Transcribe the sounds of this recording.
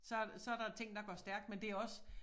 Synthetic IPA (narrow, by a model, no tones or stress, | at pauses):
sɒ̽sɒ̽æɐɾɑ̈t͡sʰe̝ŋ̰d̥ɑ̈ɡ̥œɐsd̥æɐɡ̥̚d̥mend̥e̝æɐɒ̽s